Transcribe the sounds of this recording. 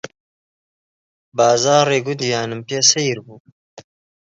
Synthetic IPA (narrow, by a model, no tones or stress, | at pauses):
baːzaːɾeːɡʊd̪ijaːnɨmpjesejɾbuː